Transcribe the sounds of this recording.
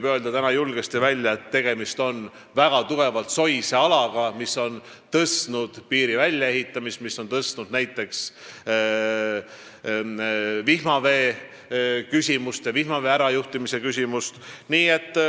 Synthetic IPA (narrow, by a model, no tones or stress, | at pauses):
bø̞ld̪̥ɑt̪ænɑjulɡ̥est̪ivælʲːjɑe̞t̪ːe̞ɡ̥e̞mist̪o̞n | væɡ̥ɑt̪uɡ̥e̞vɑlt̪so̞jse̞ɑlɑɡ̥ɑmisːo̞n | t̪ɤsnud̪̥piːɾivælʲjɑe̞ɦit̪ːˑɑmist̪miso̞nt̪ɤst̪nud̪̥næjt̪ːˑe̞ks | vihmɑve̞ː | kysʲimust̪jɑvihmɑveæɾɑjuht̪imise̞kys̬ʲimust̪niːe̞t̪ːˑ